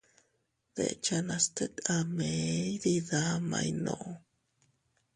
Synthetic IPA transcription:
ð̥ḛt͡ʃanast̪ekamejdiðama̰jnoʔo

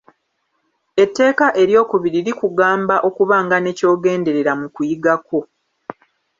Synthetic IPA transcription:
e̞tːe̞ːkaʔe̞ɾjo̞ːkuβiɾiɾikuɡaːmbaʔo̞kuβaːŋɡane̞co̞ːɡe̞ːnde̞ɾe̞ɾamukujiɡako̞

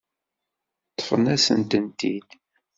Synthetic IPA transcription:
t̪ːə̥fənæsənt̪ənt̪id̪

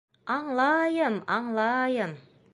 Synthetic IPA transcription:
ɑŋlˠɑjəmɑŋlˠɑjəm

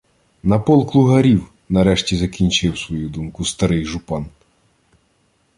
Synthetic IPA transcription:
nɐpɔlˠklˠʊɦɐɾʲiw | nɐɾɛʃtʲizɐkʲinʲt͡ʃɪwsʋɔjud̪umkʊst̪ɐɾɪjʒʊpɑn

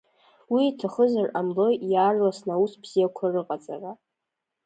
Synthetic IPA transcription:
wiːtʰaχəzaramlojjaːrlasnausbz̥ijakʷʰarɨqʼat͡sʼa̰ra

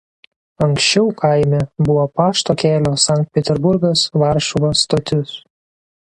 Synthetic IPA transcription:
ɐŋˑksʲt͡ʃʲɛʊkʰaˑɪmʲɛbʊʋoːpɑːʃt̪oːkʲæːlʲoːsɑˑŋʲk̚t̪̚pʲɛt̪ʲɛɾbʊɾɡɐsʋɑˑɾʃʊʋost̪oːt̪ʲʊs

